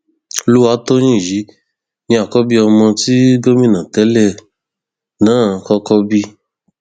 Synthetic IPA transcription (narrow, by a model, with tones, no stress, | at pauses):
o˧lu˦wa˧˦to˦ñĩ˦˨ji˨˦ | nĩ˧a˨kɔ˦bi˦ɔ˧mɔ̃˧ti˦ɡo˦mĩ˦nã˨tɛ˨˦lɛ˦˨ | nãː˦˨kɔ˦kɔ˦bi˦